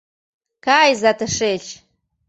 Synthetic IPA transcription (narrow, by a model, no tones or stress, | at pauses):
kʰaːjzatʰɨʂeɬ